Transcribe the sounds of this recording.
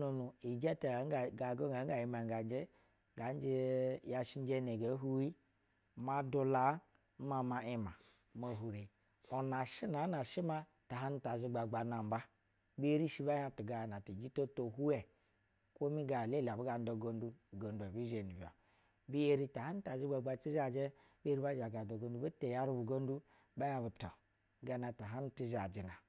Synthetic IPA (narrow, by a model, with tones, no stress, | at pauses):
no˨nu˨i˨d͡ʒe˦ta˨˦˨ɡa˨ɡo˦ɡa˨˦a˨ji˨ma˨ŋ˨ɡa˨n˦d͡ʒe˦ | ɡa˨˦n˦d͡ʒi˦ja˨ʃi˦n˦d͡ʒe˦ne˨ɡa˨˦ɦu˦i˦ | ma˦du˨la˨˦ | ma˨ma˨i˦ma˨ | mo˨ɦu˨ɾe˨ | o˨na˨ʃi˦na˨˦na˨ʃi˦ma˦ | ta˨ɦa˦n̩˦ta˨zi˦ɡ͡ba˨ɡ͡ba˨na˨m̩˨ba˦ | be˦ɾi˦ʃi˦ba˦ja˦˨tu˨ɡa˨jna˨ti˨d͡ʒi˦to˦to˨ɦu˦ɛ˨ | kʷo˦mi˦ɡa˨le˦˨la˨bu˦ɡa˨n˦do˨ɡo˦n˦du˦˨ɡo˨n˦du˨ɛ˨bi˦ze˨ni˨vo̰˨ | bi˦e˦ɾi˦ta˨ha˦n˦ta˨zi˦ɡ͡ba˨ɡ͡ba˨t͡ʃi˦za˨d͡ʒɛ˦ | bi˦ɾi˦ba˦d͡ʒa˨ɡa˨do˨ɡo˦n˦du˦ba˦te˨ja˦ɾu˦bu˨ɡo˦n˦du˦ | ba˦ja˦bu˨to˨ | ɡa˨˦na˨ta˨ɦa˦n̩˦ti˦ʒa˨d͡ʒi˨na˨